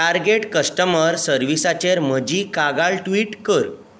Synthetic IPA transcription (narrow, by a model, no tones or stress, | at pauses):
aɾɡeʈkəsʈəməɾsəɾʋisat͡ɕeɾm̤əd͡ʑiːkaɡaɭʈʋiːʈkəɾ